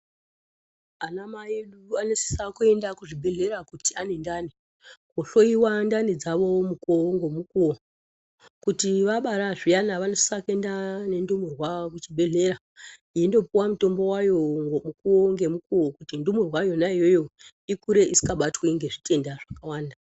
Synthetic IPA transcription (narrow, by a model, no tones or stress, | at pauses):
anamaeɗuanesi̥sakue̞ndakuʐibʱe̞ɮe̞ɾakutianendaːni | koɬo̞iwandanid͡zaʋo̞mukoŋɡo̞mukuwo | kutiʋaɓaɾaʐijanaʋanosi̥sake̞ndane̞ndumerwakut͡ʃibʱe̞ɮe̞ɾa | iindo̞puwamuto̞mbo̞wajoŋɡomukuoŋɡe̞mukuwokutindumerwajo̞naijo̞jo̞ | ikuɾe̞ʔisi̥kaɓatweŋɡe̞ʐitʰe̞ndaʐakawaːnda